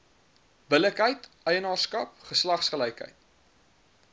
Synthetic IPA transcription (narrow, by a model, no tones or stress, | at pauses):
bələkɦəjtœjənɑːrskɐp̚χəslɐχsχəlɛjkɦə̰jt